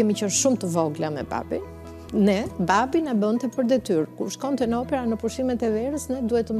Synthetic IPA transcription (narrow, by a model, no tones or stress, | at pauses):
ɛmicənʃumt̪əvɔɡlamɛ̰ba̰bḭn | nɛbabinabənt̪ɛpəɾd̪ɛt̪yɾkuɾʃkɔnt̪ɛnɔpɛɾanəpuʃimɛt̪ɛvɛɾəsnɛd̪uhɛt̪ːəm